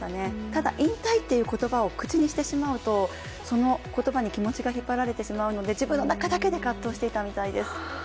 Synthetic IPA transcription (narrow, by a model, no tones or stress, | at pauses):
ne̞t̪ad̪a̰ʔĩnt̪ait̪ːe̞jɯ̟ːko̞t̪o̞bao̞kɯ̟t͡ɕiɲ̟iɕi̥t̪e̞ɕimaɯ̟t̪o̞ | so̞no̞ko̞t̪o̞baɲ̟ikʲimo̞t͡ɕiɡaçipːaɾaɾe̞t̪e̞ɕimaɯ̟no̞d̪e̞d͡ʑibɯ̟̃nːonakad̪ake̞d̪e̞kat̪ːo̞ːɕi̥t̪e̞it̪amʲit̪aid̪e̞sɨ̥